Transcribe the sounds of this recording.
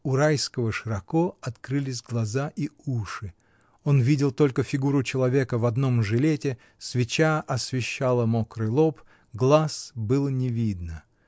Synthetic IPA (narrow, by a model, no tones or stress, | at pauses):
ʊɾajskəvəʂɨɾɐkoɐt̪kɾɨlʲɪs̬ʲɡlˠɐzaʔiuʂɨ | o̞nvʲidʲɪlˠt̪o̞lʲkəfʲɪɡuɾʊt͡ɕɪlˠɐvʲe̞kəvɐd̪no̞mʐɨlʲetʲɪ | svʲɪt͡ɕaʔɐsvʲɪɕːalˠəmokɾɨlˠop | ɡlˠasbɨlˠnʲɪvʲid̪nə